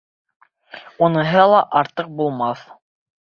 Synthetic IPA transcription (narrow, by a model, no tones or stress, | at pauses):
unɤ̆ɦɤlˠɑʔɑɾt̪ɤq̚bulˠmɑθ